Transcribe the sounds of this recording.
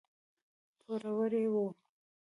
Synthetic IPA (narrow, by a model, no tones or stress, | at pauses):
t̪ʰoɾawəɾewu